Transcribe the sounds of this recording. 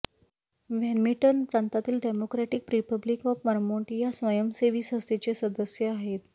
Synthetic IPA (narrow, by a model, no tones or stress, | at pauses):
ʋɛnmiʈənpɾãnt̪at̪iːlɖemokɾaʈik̚pɾipəblikɔfməɾmoɳʈjasʋəjəmseʋiːsɦəst̪et͡ɕesəd̪əsjəaɦet̪